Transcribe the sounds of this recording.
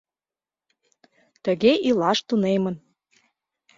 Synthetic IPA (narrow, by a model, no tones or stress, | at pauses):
t̪əɣeʔilɑʃt̪unemə̆n